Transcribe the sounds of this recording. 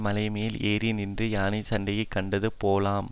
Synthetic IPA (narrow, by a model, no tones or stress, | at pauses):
mɐlɐɪmeːleːɾinɪndrɯjaːnit͡ʃɐɳɖɐjɐɪkːɐɳɖɐðɯpoːlaːm